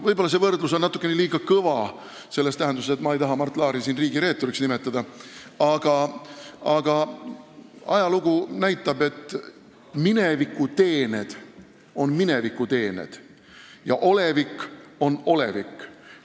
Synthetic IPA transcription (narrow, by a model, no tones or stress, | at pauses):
vɤjbolːɑs̬e̞vɤrd̪lus̬onnɑt̪ːˑukːˑeneliːɡ̥ɑkɤvɑ | se̞lːest̪æɦend̪usset̪mɑejt̪ɑɦɑmɑrt̪ːˑlɑːɾisiːnriːɡiɾe̞ːt̪ːˑo̞ɾiksnime̞t̪ːˑɑd̪ɑɑɡ̥ɑ | ɑɡ̥ɑ | ɑjɑluɡ̥unæjt̪ˑːɑbe̞t̪ːˑ | mine̞vikːˑut̪e̞ːned̪̥ | o̞nmine̞vikːut̪e̞ːnḛd̪̥ | jɑ̰ʔo̞le̞vikːˑo̞no̞le̞̰vikː